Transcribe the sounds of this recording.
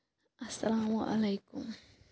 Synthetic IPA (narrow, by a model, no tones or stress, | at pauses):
ʔasːalaːmʊʔa̰lajkʊm